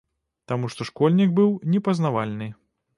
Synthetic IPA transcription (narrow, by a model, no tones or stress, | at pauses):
t̪amuʂt̪ɔʂkɔlʲnʲiɡbɨwnʲɛpɐznavalʲnɨ